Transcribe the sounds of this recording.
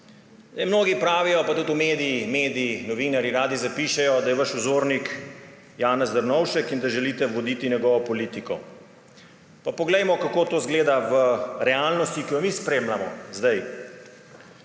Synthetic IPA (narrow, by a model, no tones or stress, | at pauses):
ajmnoːɡipɾaːʋijɔpat̪ut̪umeːd̪iimeːd̪iinɔʋiːnaɾjiɾaːd̪izapiːʃɛjɔd̪ajɛʋaʃuzoːɾnik | jaːnɛzd̪əɾnɔwʃɛkind̪aʒɛlit̪ɛʋɔd̪it̪injɛɡɔːʋɔpɔliːt̪ikɔ̰ | papɔɡlɛjmɔkakoːt̪oːzɡleːd̪aʋəɾɛalnɔst̪ikijɔmispɾeːmlamɔ̰zd̪aj